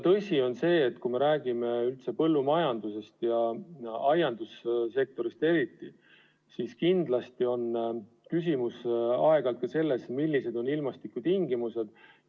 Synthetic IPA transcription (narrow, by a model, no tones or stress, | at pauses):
t̪ɤ̞sʲio̞nse̞ːt̪ːkume̞ɾæːɡ̥ime̞ylt̪se̞pɤ̞lːumɑjɑnd̪̥use̞st̪jɑɑjɑnd̪̥usse̞k̚t̪o̞ɾist̪e̞ɾit̪ːˑi | siskind̪lɑst̪io̞n | kys̬imusɑe̞ɡ̥ɑlt̪̚kɑse̞lːe̞smilːise̞d̪o̞nilmɑst̪ikːˑut̪iŋɡimuse̞d̪̥